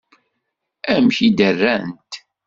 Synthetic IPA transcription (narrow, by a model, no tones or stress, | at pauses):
æmçid̪ərːænt̪